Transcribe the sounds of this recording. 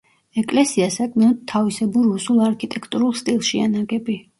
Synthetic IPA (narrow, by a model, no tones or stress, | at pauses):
ɛkʼlɛsiasakʼʰmɛnɔd̪̚t̪ʰːavisɛbuɾːusulˠaɾkʰit̪ʼɛkʰt̪ʼuɾulˠst̪ʼilˠʃianaɡɛbi